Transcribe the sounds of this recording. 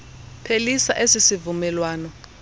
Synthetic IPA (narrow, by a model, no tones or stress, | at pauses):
pʰelisaʔesisivumɛlwaːnɔ